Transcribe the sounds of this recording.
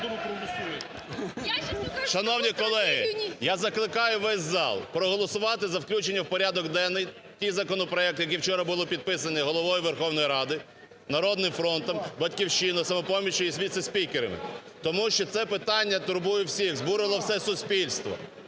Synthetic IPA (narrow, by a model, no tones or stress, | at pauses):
ɾˠ | ʃɐnɔwnʲikɔlˠɛɦɪ̰jazɐklˠɪkɑjʊʋɛsʲzɑ̰lˠpɾɔɦɔlˠɔsʊʋɑt̪ɪzɐwklʲut͡ʃenʲːɐwpɔɾʲad̪ɔkd̪ɛnːɪj | tʲijzɐkɔnɔpɾɔɛk̚t̪ʊjɐkɛwt͡ʃɔɾɐbʊlˠɔpʲid̪̚pɪsɐnɛɦɔlˠɔʋɔjʊʋerxɔwnɔjiɾɑd̪ɪ | nɐɾɔd̪nɪmfɾɔnt̪ɔmbɐtʲkʲiwʃinɔsɐmɔpɔmʲiʃʊjisʲʋʲit̪sɐsʲpʲikeɾɐmɪ̰ | t̪ɔmuʃt͡ʃɔt̪sɛpɪt̪ɑnʲːɐt̪ʊɾbujʊwsʲixzbuɾɪlˠɔwsɛsʊsʲpʲilʲst̪ʋɔ̰